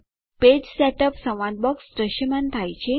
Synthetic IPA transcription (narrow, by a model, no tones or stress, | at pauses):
ped͡ʑsɛʈəpsə̃w̃ʋãd̪̚bɔksɾəɕəmant̪ʰajt͡ɕe